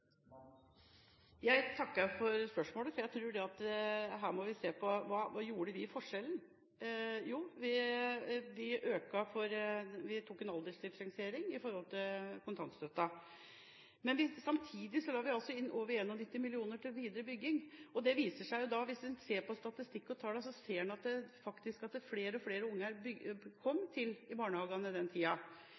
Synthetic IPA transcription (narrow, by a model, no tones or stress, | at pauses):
jæɪt̪ʰɑkːəfɔɾspœʂmoːləfɔɾjæɪt̪ʰɾuːɖɛɑt̪ɦæːmɔʋɪseːpʰɔʋɑːʋɑːjuːɖəʋɪfɔʂɛln | juːʋɪ | ʋɪʔøːkɑfɔɾʋɪt̪ʰuːkːɛnɑld̪ɛːlsd̪ɪfɾɑŋsɪeːɾɪŋɪfɔɾhɔlt̪ʰɪlkʰʊnt̪ʰɑnst̪øt̪ːɑ | mɛnʋɪsɑmt̪ʰiːd̪ɪsɔlɑːɾʋɪɑlsɔɪnːʔoːʋəɾeːnːɔnɪt̪ːɪmɪlɪuːnəʈʰɪlʋiːd̪əɾəbʏɡːɪŋɔd̪ɛʋiːsəʂæɪjʊd̪ɑʋɪsʋɪseːɾpɔst̪ɑt̪ɪst̪ɪkːɔt̪ʰɑːɖɛsɔseːɛnɑt̪̚d̪ɛfɑkt̪ɪskɑt̪̚d̪ɛfleːɾəɔfleːɾəʊŋːəæɾbʏɡkʰɔmːt̪ʰɪlɪbɑːɳəhɑːɡənəd̪ɛnt̪ʰiːɑ